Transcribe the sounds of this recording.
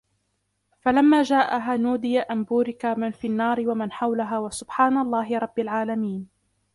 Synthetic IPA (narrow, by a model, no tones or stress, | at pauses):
falamːaːd͡ʒaːʔaɦanuːd̪ɪjaʔambuːɾɪkamanfiːnːɑːɾɪwamanħawlaɦaːwasʊbħaːnalˤːɑːɦɪɾˤɑbːalʕaːlamiːn